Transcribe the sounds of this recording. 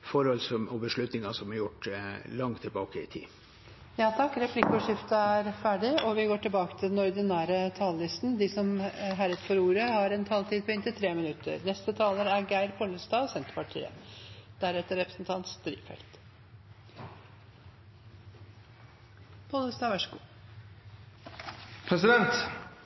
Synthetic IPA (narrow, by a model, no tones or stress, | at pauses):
fɔɾhɔlsɔɔbəʂɭʉt̪nɪŋɑsɔmhɑɾjʊʈlɑŋt̪ʰːɪlbɑːkəɪ̰t̪ʰḭː | jɑːt̪ʰɑkːɾɛpʰlɪkːɔʂɪft̪əæɾfæːɖɪɔʋɪɡoːʈɪlbɑːkə̥t̪ʰɪld̪ɛnɔɾd̪ɪnæːɾət̪ʰɑːllɪst̪n̩d̪ɪsɔmɦæɾət̪fɔɾuːɾəhɑɾɛnt̪ʰɑːlt̪ʰiːd̪̚pʰɔɪnt̪ɪt̪ʰɾeːmɪnʉt̪ʰə̰ɾnɛst̪ət̪ʰɑːləɾæɾɡæɪɾpʰɔləsd̪ɑːsɛnt̪ə̥pɑʈʰḭːə̰d̪̥æɾɛt̪ːəɾɛpɾəsnt̪ʰɑnt̪sd̪ɾḭːʋfɛ̰lt̪ | pʰɔləsd̪ɑːʋæʂəɡṵː | pʰɾɛsɪd̪ɛnt̪